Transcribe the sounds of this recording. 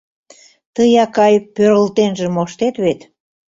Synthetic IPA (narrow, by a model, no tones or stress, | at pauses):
t̪əjɑkɑjpøɾəlt̪enʒemoʃt̪et̪βet̪